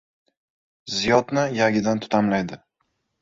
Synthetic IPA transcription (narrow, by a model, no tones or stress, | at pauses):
zijɒt̪nɪjaɡʲɪd̪ant̪ʰʊ̥t̪ʰamlajd̪ɪ